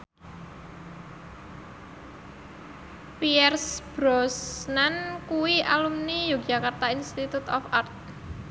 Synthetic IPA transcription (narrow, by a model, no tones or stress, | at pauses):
piɛrsb̥ɾɔsnankuwia̰lumnijoɡd͡ʒakart̪ainst̪it̪ut̪ɔfart̪̚